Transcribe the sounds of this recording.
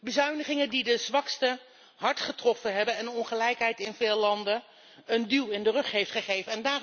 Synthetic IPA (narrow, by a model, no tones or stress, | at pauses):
bəzœɥnəχɪŋəndidəzʋɑkstə | ɦɑɹtχətrɔfənɦɛbənɛnəɔnχəlɛjkɦɛjtɪnvɪːlˠlɑndən | əndilˠɪndərɵχɦejftχəχejvəɛndaːr